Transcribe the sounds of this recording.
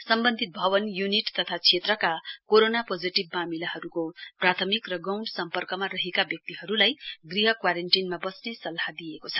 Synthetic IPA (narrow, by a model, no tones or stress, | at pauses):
sʌmbʌnd̪ʱit̪̚bʱʌβʌnjuniʈt̪ʌt̪ʰat͡sʰet̪rʌkakoɾonapod͡ziʈibːamilaɦʌɾukoprat̪ʰʌmikrʌɡʌwɳɖsʌmpʌrkʌmarʌɦekabjʌk̚t̪iɦʌɾulajɡriɦʌkwaɾenʈinmabʌsnesʌlɦad̪ijekot͡sʰʌ̥